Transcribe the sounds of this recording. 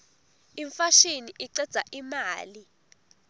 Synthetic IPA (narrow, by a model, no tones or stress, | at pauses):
iɱfaʃiniʔiǀɛd̥z̥ʱaʔimaːli